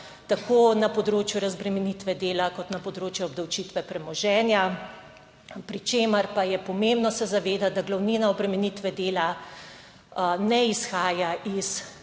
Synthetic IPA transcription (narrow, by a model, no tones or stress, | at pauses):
t̪akoːnapɔd̪ɾoːt͡ʃjuɾazbɾɛmɛnit̪ʋɛd̪eːlakɔt̪nɐpɔd̪ɾoːt͡ʃjɛɔb̚d̪ɐwt͡ʃiːt̪ʋɛpɾɛmɔʒɛːnja | pɾit͡ʃeːməɾpajɛpɔmembnɔsɛzaʋeːd̪at̪̚d̪aɡlawniːnaɔbɾɛmɛniːt̪ʋɛd̪eːla | nɛisxaːjais